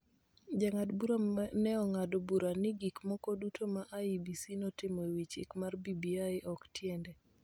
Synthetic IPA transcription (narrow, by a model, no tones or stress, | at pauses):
d͡ʒaŋadbuɾanɛɔŋadɔbuɾanɪɡikmɔkɔdutʰomaʔaibisinɔtɪmɔewit͡ʃɪ̰kmarbibiaɪʔɔktʰjɛndɛ